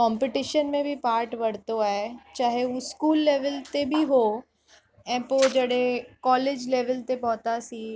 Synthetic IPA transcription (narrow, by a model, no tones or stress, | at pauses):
kɔ̃ːmpɪʈɪʃənmẽbʱipaːɾʈʋɐɽ̤t̪oaːet͡ɕaːɦeuskuːlːeːʋəlt̪ebʱiɦo | ɛ̃ːpoːd͡ʒɐɽɦẽkɔːleːd͡ʑleːʋəlt̪epɔɦt̪asiː